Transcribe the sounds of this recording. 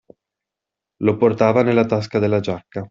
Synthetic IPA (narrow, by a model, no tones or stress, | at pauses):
loport̪aːvanelːat̪as̬kad̪elːad͡ʒakːa